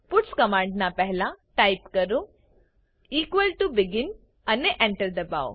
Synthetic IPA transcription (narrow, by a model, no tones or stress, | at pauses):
puʈskəmãɳɖnapɛɦɛlãʈajpkəɾu | iːkʋəlʈubiɡin | aneʔɛ̃ɳʈəɾd̪əba̰w